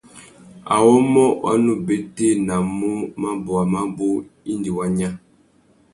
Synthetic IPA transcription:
a̰˨wɔ˦mɔ˦wʔa̰˦nu˦be˨˦te˦na˨mu˦ma˦bɔ˨a˨ma˦bo˦i˦ndi˨wa˦ɲa˦

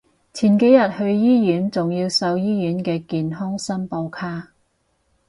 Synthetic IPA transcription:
t͡sʰiː˨˩nke˨˥jɐ˨t̚hɵ˧ɥjiː˥jyː˨˥nt͡sʊ˨ŋjiː˧wsɐ˧wjiː˥jyː˨˥nkɛː˧kiː˨nɦɔ˥ŋsɐ˥npo˧wkʰaː˥

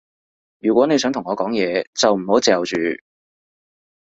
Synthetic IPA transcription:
jyː˨˩kʷɔː˨˥ne˨˧s̬œː˨˥ŋt̪ʰʊ˨˩ŋɔː˨˧kɔː˨˥ŋjɛː˨˧t͡sɐ˨wm̩˨˩ho˨˥wt͡sɛː˨wt͡ʃyː˨˧

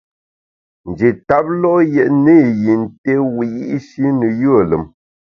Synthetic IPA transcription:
n̩˨d͡ʒe˨ta˦p̚lɔ˦jɛ˨ʔne˦˨ji˨n̩˨te˦wi˨ji˦ʔʃi˦nə˨jə˦ə˨lə˨m

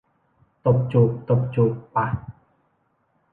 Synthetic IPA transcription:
t̪o˨˩p̚t͡ɕu˨p̚t̪o˨˩p̚t͡ɕu˨k̚pa˧˨

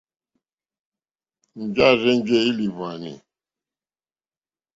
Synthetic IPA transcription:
n̩˨d͡ʒa˦˨zɛ˦n˦d͡ʒɛ˦i˦li˨va˨nḭ˨

